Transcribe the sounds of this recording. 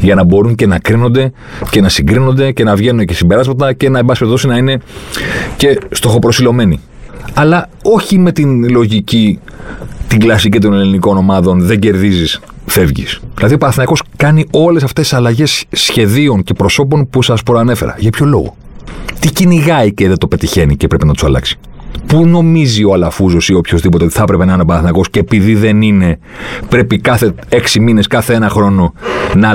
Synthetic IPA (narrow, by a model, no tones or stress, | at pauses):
ʝɐnɐbo̞ɾuŋce̞nɐkɾino̞nd̪e̞ | ce̞nɐsiŋɡɾino̞nd̪e̞ce̞nɐvʝe̞nund̪ecesimbe̞ɾɐzmɐt̪ɐce̞nɐembɐspet̪oinɐine̞ | ce̞st̪o̞xo̞pɾo̞silo̞me̞ni | ɐlɐo̞çime̞t̪inlo̞ʝici | t̪iŋɡlɐsicit̪o̞neliniko̞no̞mɐðo̞nðe̞ɲɟe̞ɾðizis | fe̞vʝḭsðilɐðio̞pɐɾɐθinɐko̞skɐnio̞le̞sɐft̪e̥sɐlɐʝe̞sːçe̞ðio̞nce̞pɾo̞so̞p̬o̞npusɐspɾoɐne̞fe̞ɾɐ̰ʝɐpço̞lo̞̰ɣo̞̰ | t̪iciniɣɐiceðet̪o̞pe̞t̪içe̞nicepɾe̞penɐt̪usɐ̰lɐ̰ksi̥ | puno̞mizioɐlɐfuzosio̞pço̞zðipot̪eot̪iθɐpɾe̞pe̞nɐinepɐɾɐθinɐko̞sceːpiðiðe̞nine̞ | pɾe̞pikɐθe̞e̞ksimine̞skɐθeenɐxɾo̞no̞nɐ